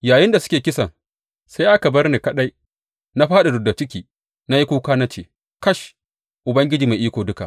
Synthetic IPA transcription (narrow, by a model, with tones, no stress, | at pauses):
jaː˨jɪ˦nda˨sʊ̥˦kʲeː˨kʲɪ˦sɐ˨ŋ | sa˦jʔa˦ka˨bɐ˦rneː˨kɐ˦ɗa˦j | na˦ɸaː˦ɗa˨dʊ˨da˨t͡ʃɪ˦kʲiː˦ | na˦ji˦kuː˦kaː˦na˦t͡ʃeː˨ | kɐ˦ʃ | ʔʊ˨bɐ˦ŋɡʲɪ˦d͡ʒiː˨ma˨ʔiː˦kʷoː˨dʊ˦ka̰˨